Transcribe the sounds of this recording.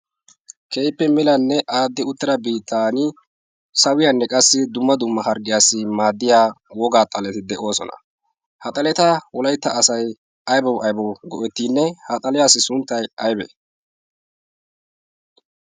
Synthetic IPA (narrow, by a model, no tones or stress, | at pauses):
kejpːɛmɪlɐnːɛʔaːd̪ːɪʊt̪ːɪɾɐbiːt̪ʰːaːnɪ | sɐwɪjanːɛkʼɐsːɪd̪ʊmːɐd̪ʊmːɐhɐɾɡɪjaːsɪmaːd̪ːɪjaːwɔɡaːt̪ʼɐlɛt̪ɪd̪ɛʔo̞ːsɔ̰nɐ̰ | hɐt̪ʼɐlɛt̪ɐwɔlɐjt̪ːɐːsɐj | ɐjbɔwʔɐjbɔwɡɔʔɛt̪ːiːnːɛhɐt̪ʼɐlɪjaːsːɪsʊnt̪ːɐjɐjbɛ̰